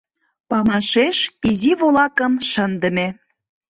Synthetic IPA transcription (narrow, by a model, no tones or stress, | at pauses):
pɑmɑʃeʃiziβolɑkəmʃənd̪ə̆me